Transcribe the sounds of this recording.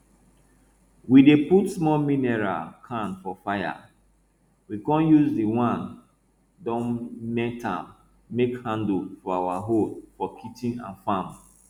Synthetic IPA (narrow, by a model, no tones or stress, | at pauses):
wideputsmɔlmĩnɛɹa̰kʰãnfɔfaja̰ | wikɔ̃njuzdiwãn | dɔ̃nmɛtãmː | ekhãndfɔawaɦodfɔkʰitĩnã̰nfãm